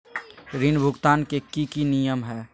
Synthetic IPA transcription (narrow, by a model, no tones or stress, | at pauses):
ɾinbʱʊɡt̪aːnkekikinijəmɦɛː